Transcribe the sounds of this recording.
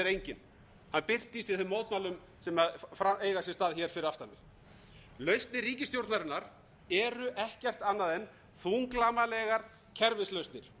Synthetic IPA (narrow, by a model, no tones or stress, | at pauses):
ɛɾejɲcɪn | hanpɪr̥t̪ist̪ɪðθʏmːowt̪nmalʏm | sɛmaðfɾaeːjɣasjɛst̪aːðçɛːɾ̥fɪɾɪɾaft̪anːɪ | lœɥst̪nɪɾriːcɪst̪jowɾt̪naɾɪnːaɾ̥ | ɛɾʏʔɛhcɛr̥t̪anːaðɛn | θuŋklaːmalɛɣaɾ̥ | cʰɛɾvɪslœɥst̪nɪɾ̥